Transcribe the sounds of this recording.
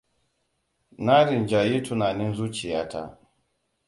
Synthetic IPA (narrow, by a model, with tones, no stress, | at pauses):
na˦ɾi˨nd͡ʒa˨ji˦tu˨naː˨ni˦nzuː˦t͡ʃi˨ja˦tʰa̰˦